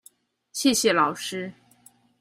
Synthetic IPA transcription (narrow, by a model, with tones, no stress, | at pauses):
ɕjɛ˥˩ɕjɛ˥˩lɑ˨˩ʊʂɻ̩˥